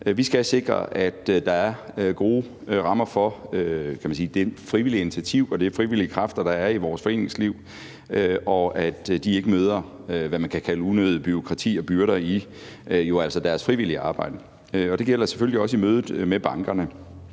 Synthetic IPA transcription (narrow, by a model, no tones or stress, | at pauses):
ʋisɡ̥æse̝ɡ̥ʁɐ̰ʔæd̥d̥ɑ̈æɐɡ̥o̝ː | ʁɑ̈mɐfɒøkʰæmænsiːd̥e̝fʁiʋiliəe̝nit͡sʰæt͡sʰiʊ̰ɒ̽d̥e̝fʁiʋiliəkʰʁɑfd̥ɐd̥ɑ̈æɐiʋɒːsfɒ̽e̝ːne̝ŋsliʊ̰ | øɒ̽æd̥d̥ie̝ɡ̥əmøːð̞ˠɐʋæmænkʰækʰæləunøðˠəb̥yo̝kʰʁɑ̈t͡sʰḭːɒ̽b̥yɐɾɐi | jo̝æl̰sɐd̥æɐsfʁiʋil̰iəɑ̈ːb̥ɑ̈ɪ̰d̥ə | øɒ̽d̥e̝ɡ̥el̰ɐse̥føl̰liɒ̽səimøːð̞ˠð̩ˠmeb̥ɑ̈ŋɡ̥ɐnə